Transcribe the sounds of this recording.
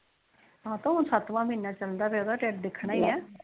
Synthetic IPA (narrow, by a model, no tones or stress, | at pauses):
ɦãːt̪õːɦʊnsət̪ʋãːmĩːnaːt͡ʃəld̪aːpeːod̪aːʈeːʈ̚d̪ɪkʰːɳaːiːɛː